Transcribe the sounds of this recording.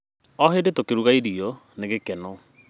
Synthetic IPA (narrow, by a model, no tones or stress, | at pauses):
ɔɦedetokeɾuɣaiɾiɔ | neɣekɛnɔ